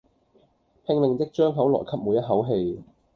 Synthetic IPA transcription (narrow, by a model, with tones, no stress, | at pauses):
pʰɪ˧ŋlɪ˨ŋt͡sɪ˥k̚t͡ʃœː˥ŋɦɐ˨˥wlɔ̰ː˨˩jkʰɐ˥p̚muː˨˧jɐ˥t̚ɦɐ˨˥wɦe˧j